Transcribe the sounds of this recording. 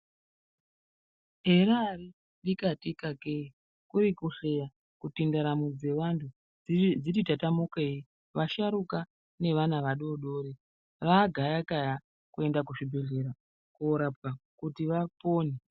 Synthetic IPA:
ɦeɾari | ɗikatikakei | kuɾikuɬeja | kutindaɾamud͡ze̞ʋantʰu | d͡zititatamukei | ʋaʃaɾuka | ne̞ʋanaʋaɗoɗo̞ːɾe | ʋaɡʱajakaja | kue̞ndakuʐibʱe̞ɮe̞ɾa | koɾap̚kakutiʋapoːne

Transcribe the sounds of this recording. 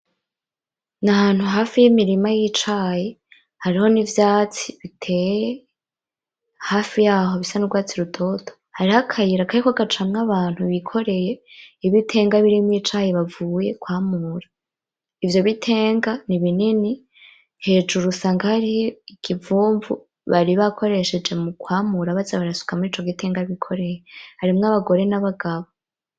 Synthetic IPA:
nahaːn̥huɦaːfijimiɾimajit͡ʃaːje | haɾiho̞nivjaːt͡siβitʰe̞ːjje | haːfijaːɦo̞βisanuɾɡwaːt͡siɾutʰo̞to̥ | haɾihakʰajiɾakaɾikaɡat͡ʃamŋaβaːn̥huβikʰo̞ɾe̞je̞iβitʰe̞ːŋɡaβiɾimiːt͡ʃaːjeβavuːje̞kwaːmuːɾa | ivjo̞βitʰe̞ːŋɡaniβinini | he̞ːd͡ʒuɾusaːŋɡahaɾijikivuːɱvṵ | βaɾiβakʰo̞ɾe̞ʃe̞d͡ʒe̞mukwaːmuɾaβazaβaɾasu̥kamuiːt͡ʃo̞ɡiteːŋɡaβikʰo̞ɾe̞jehaɾimŋaβaɡo̞ɾe̞naβaɡaβo

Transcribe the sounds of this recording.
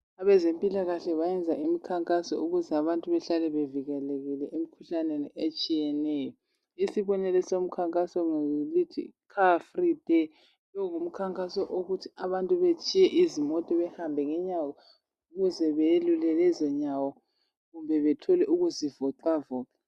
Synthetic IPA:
aβɛzempʼilaɣaɬɛβajɛnd͡zʱaʔimikʰaŋkʼasɔ̰uɣuzɛaβantʼuβɛɬalɛβeviɣɛleɣilɛʔem̩kʰuɬaneniet͡ʃʼijɛnɛjɔ | isiβɔnɛlɛsom̩kʰaŋkʼasɔŋlitʰḭkʰafrid̥ɛ | lɔŋum̩kʰaŋkʼasɔʔoɣutʰiaβantʼuβet͡ʃʼijɛʔizimɔtʼiβɛhambʱɛŋɛɲawɔ | uɣuzɛβelulɛlɛzɛɲawɔ | ɣumbʱɛβɛtʰɔlɛʔuɣuzivɔǃavɔːǁa

